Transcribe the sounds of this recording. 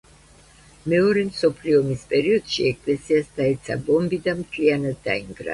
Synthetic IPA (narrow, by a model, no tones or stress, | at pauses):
mɛɔɾɛmsɔpʰliɔmispʼɛɾiɔd̪̥ʃiɛkʼlɛsiasd̪aɛt̪sʰa̰bɔmbid̪amt̪ʰlianad̪ːa̰iŋɡɾa̰